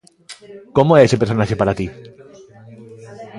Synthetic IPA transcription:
komoeese̞peɾso̞naxepaɾat̪i

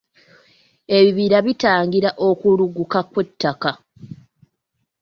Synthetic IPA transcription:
e̞βiβiɾaβitaːŋɡiɾaʔo̞kuluɡukakwe̞tːaka

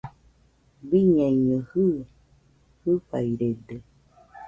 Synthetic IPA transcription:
biɲãɲə̃hɯ | hɨɸaiɾedə

